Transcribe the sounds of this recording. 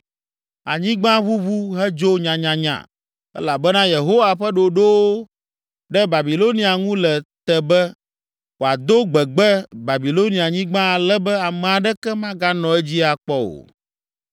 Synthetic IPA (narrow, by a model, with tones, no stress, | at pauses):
a˨ɲĩ˦ɡ͡bã˦βu˦βu˦ɦɛ˦d͡ʒo˦ɲã˨ɲã˨ɲã̰˨ | ɛ̰˦la˨bɛ˦nã˦je˨ɦo˦wa˨ɸɛ˦ɖo˨ɖo˦wo˦ | ɖɛ˦ba˨bi˨lo˦nĩ˨˦a˨ŋũ˦lɛ˨t̪ɛ˨bɛ˦ | wo˨a˨d̪o˦ɡ͡bɛ˨ɡ͡bɛ˦ba˨bi˨lo˦nĩ˨a˨ɲĩ˦ɡ͡bã˦a˨lɛ˦bɛ˦a˨mɛ̃˨a˨ɖɛ˦kɛ˦mã˦ɡa˦nɔ̃˨ɛ˦d͡ʑi˦a˨k͡pɔ˦o̰˨